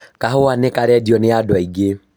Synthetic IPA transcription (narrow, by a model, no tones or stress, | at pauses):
kaɦoanekaɾɛdiɔneadwaiɡe